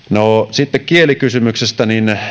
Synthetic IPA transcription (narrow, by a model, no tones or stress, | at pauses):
nosit̪ːekkielikysymyksest̪ænin